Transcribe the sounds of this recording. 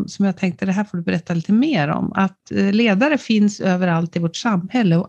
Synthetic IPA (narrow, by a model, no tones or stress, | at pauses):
sɔmjaːɡ̚t̪ʰɛŋk̚t̪əd̪ɛɦæːɾfoːɖɵbɛɾɛt̪ːaliːt̪əmeːɾɔ̰ma̰t̪leːd̪aɾəfɪnsøːvəɾalt̪ɪvoːʈsamːhɛlːəɔ